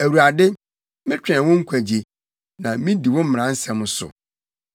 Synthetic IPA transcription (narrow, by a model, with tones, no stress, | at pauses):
æ˨wu˨ɾa˨dɪ˦ | mɪ̃˦t͡ɕᶣɛ̃˨wɔ̃˦ŋ̩˦kʷʰæ˨d͡ʑi˨ | nã˨mĩ˦di˨wɔ̃˦m̩˦m̃˨ã˨˦n̩˦sɛ̃˨mʊ̃˨˦sʊ̰˨